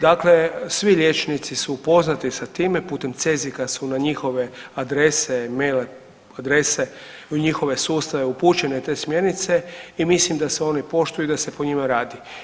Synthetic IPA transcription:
d̪akle̞sʋiʎʲjet͡ʃnit̪sisupo̞znat̪isat̪iːme̞puːt̪e̞mt̪se̞zikasunaɲixo̞ʋe̞ad̪ɾe̞semejle | ad̪ɾe̞se̞uɲixo̞ʋe̞suːst̪aʋe̞upuːt͡ʃe̞ne̞t̪e̞ːsmje̞ɾnit̪se̞imislimd̪aseo̞nipo̞ʃt̪ujud̪ase̞poɲimaɾaːd̪i

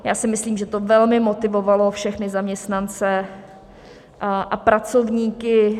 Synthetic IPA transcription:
jaːsɪmɪsliːmʒɛt̪ovɛlmɪmot̪ɪvovalo̞fʃɛxnɪzamɲɛst̪nant͡sɛ | ʔapɾat͡so̞vɲiːkɪ

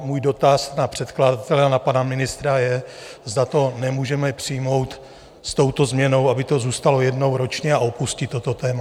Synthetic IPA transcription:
muːjdo̞t̪asnapr̝̥ɛt̪kladat̪ɛlɛanapanamɪnɪst̪ɾajɛzd̪at̪o̞nɛmuːʒɛmɛpr̥ɪjmo̞wt̪ | st̪o̞wt̪o̞zmɲɛno̞wʔabɪt̪o̞zuːst̪alo̞jɛdno̞wɾo̞t͡ʃɲɛaʔo̞puscɪt̪ːo̞t̪o̞t̪ɛːma

